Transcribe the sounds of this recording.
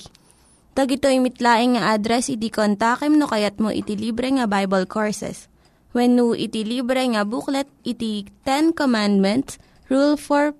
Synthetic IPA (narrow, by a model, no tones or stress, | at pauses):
d̪̥ɐɡɪt̪oʔɪmɪt̪laːʔɪŋŋɐʔad̪ɾɛsɪd̪ikont̪aːkɛmnokɐjɐt̪̚mo̰ʔɪ̰t̪iliːbɾɛŋɐbajbɐlkʰoɹsɛ̰s | wɛnːuʔɪ̰t̪ilibɾɛŋɐbuklɛt̪̚ʔɪt̪it̪ɛnkomand̪̚mɛnt̪s | ɹulfoɹ